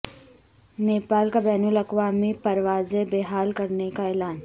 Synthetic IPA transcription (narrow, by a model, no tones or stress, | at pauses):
neːpaːlkabɛːnʊlɐkʋaːmipɐɾʋaːzebeːɦaːlkɐɾnekaɛːlaːn